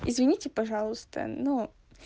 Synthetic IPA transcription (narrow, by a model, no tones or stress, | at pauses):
ɪzvʲɪnʲitʲɪpɐʐɑlˠʊst̪ə̰nu